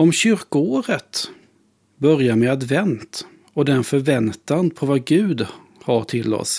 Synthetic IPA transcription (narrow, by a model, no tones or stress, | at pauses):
ɔmɕʏɾkəoːɾət̪ | bœɾjamɛad̪vɛnt̪ | ɔd̪ɛɛnfœɾvɛnt̪anpʰɔvaɡʉ̟ːd̪ | haʈʰɪlːɔ̰s